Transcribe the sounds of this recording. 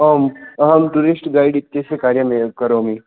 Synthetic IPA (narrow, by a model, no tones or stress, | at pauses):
ɐmɦɐmʈuɾisʈɡaːiɖit̪ːesekaːɾjəmẽkɐɾoːmi